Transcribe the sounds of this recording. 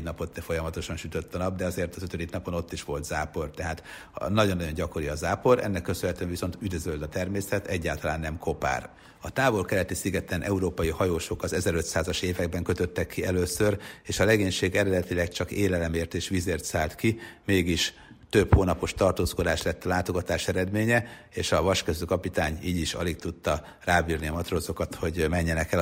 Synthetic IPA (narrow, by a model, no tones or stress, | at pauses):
ɟnɒpo̞t̪ːɛfo̞jɒmɒt̪o̞ʃɒnʃyt̪øt̪ːɒnɒb̚d̪ɛɒzeːrt̪ɒzøt̪ød̪iknɒpo̞no̞t̪ːiʃʋo̞lt̪z̥aːpo̞rt̪ɛɦaːt̪ | nɒɟonːɒɟo̞ɲɟɒko̞ɾiɒzaːpo̞ɾɛ̰nːɛkːøsønɦɛt̪øɛɱviso̞nt̪yd̪øzøld̪ɒt̪ɛrmeːsɛt̪ɛɟːaːlt̪ɒlaːnːɛmkʰo̞pa̰ːr | ɒt̪aːvo̞lkɛɾɛt̪isiɡɛt̪ɛnʔɛuɾoːpɒjihɒjoːʃokɒzɛzɛɾø̞t̪saːzɒʃeːvɛɡ̚bɛŋkø̞t̪ø̞t̪ːɛkːiɛløːsø̞reːʃɒlɛɡeːɲʃeːɡɛɾɛd̪ɛt̪ilɛkt͡ʃɒkeːlɛlɛmeːrt̪eːʃʋizeːrt̪saːlt̪kimeːɡiʃ | t̪ø̞phoːnɒpo̞ʃt̪ɒrt̪oːsko̞d̪aːʃlɛt̪ːɒlaːt̪oɡɒt̪aːʃɛɾɛd̪meːɲɛ | eːʃɒvɒʃkøzøkɒpit̪aːɲiːɟiʃɒ̰liɡt̪ut̪ːɒ | raːbiːrniɒmɒt̪rozo̞kɒt̪ho̞ɟmɛɲːɛnɛkɛ